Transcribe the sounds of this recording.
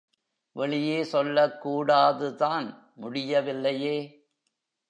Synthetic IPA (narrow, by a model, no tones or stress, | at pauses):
ʋɛɭɪjeːsɔlːɐkːuːɽaːðɯðaːn | mʊɽɪjɐʋɪlːɐjeː